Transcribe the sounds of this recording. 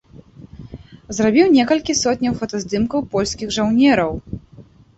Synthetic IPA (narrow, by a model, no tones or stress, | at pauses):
zɾabʲiwnʲɛkɐlʲkʲisɔt̪ʲnʲɐwfɐt̪azd̪ɨmkɐwpɔlʲsʲkʲiɣʐawnʲɛɾɐw